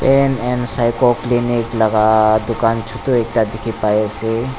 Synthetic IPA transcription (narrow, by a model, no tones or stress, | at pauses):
peːnɛnsaɪkokliniklɐɡad̪ʊkaːnt͡ʃʰʊt̪uek̚ʈ̪ad̪ɪkʰipajese